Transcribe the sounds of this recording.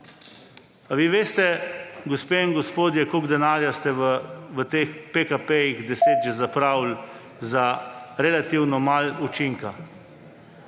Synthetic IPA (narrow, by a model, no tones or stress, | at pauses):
aʋiːʋeːst̪ɛɡospeːiŋɡɔspoːd̪jɛkoɡd̪ɛnaːɾjast̪ɛʋʋət̪eːxpekapejiɣd̪ɛseːd̪ʒɛzapɾaːwl | zaɾɛlat̪iwnɔmalut͡ʃiŋka